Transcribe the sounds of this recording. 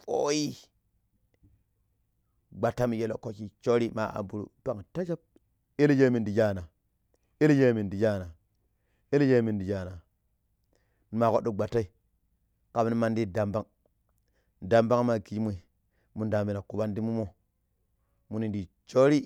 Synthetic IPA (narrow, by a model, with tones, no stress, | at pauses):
po̰˦ji˦ | ɡ͡ba˨tːa˦mi˨je˨lo̰˨ko˦ki˨t͡ʃo˦ɾi˦ma̰˨a̰˨bu˨ɾṵ˨pa˦˨ŋta˦d͡ʒa˦b̚ | i˦ld͡ʒe˦mi˨ndi˨d͡ʒa˦na˨ | i˦li˦d͡ʒe˦mi˨ndi˨d͡ʒa˦na˨ | i˦lje˦mi˨ndi˨d͡ʒa˦˨na˨ | n˨ma˨ko˦ɗu˨ɡ͡ba˨tːa˦i˦ | ka˨bni˦ma˦ndi˦da˨mba˦ŋ | da˨mba˦ŋ˦ma˨ɡi˨d͡ʒmu˨i˨ | mu˨nda˨mbi˨na˨ku˨ba˦ndi˦mu˦mo˦ | mu˨ni˨ndi˨ | t͡ʃo˦ɾi˦